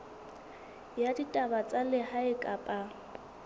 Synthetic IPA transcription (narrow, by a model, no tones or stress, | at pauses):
jaditʼabat͡sʼalɪhaɪkʼapʼa